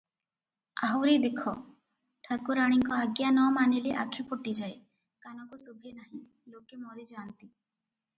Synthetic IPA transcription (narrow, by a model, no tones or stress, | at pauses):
aɦuɾid̪ekʰɔ | ʈʰəkuɾaɽ̃iŋkɔaɡjanɔmanileʔakʰipoʈid͡ʒae | kanɔkusubʱenaɦĩ | lokemɔɾid͡ʒɔant̪i